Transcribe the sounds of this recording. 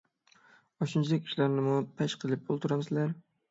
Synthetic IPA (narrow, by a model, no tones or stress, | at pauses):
ɒʃɪnt͡ʃʰɪd̪akʲi̥ʃlaɾnɪmʊpʰaʃqʰɨlˠɪp̚olˠt̪ʰʊɾamsɪlaɾ